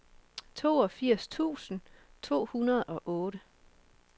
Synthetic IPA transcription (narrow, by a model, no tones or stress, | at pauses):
t͡sʰo̝̰ːɒ̽fiɐ̰st͡sʰṵːsn̩ | t͡sʰo̝̰ːhunɐð̞ˠɒ̽ʔɔ̽ːɾə